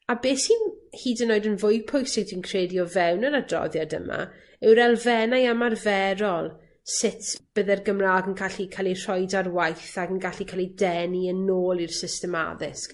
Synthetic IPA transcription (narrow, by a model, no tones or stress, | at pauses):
abeːshinhiːdənːoːɨdənvʊjpʰʊjsɪwdʰinkʰreːdjɔvɛwnənadrɔ̰ðjadə̰ma̰ | ɪwɾɛlˠvɛnajamarvɛɾɔlˠ | sɪtʰb̥əðɛrɡəmraːɡənkʰaɬikʰalˠir̥ɔjdarwajθaɡənɡaɬikʰalˠidɛniənoːlˠir̥sɪstɛma̰ðɪsk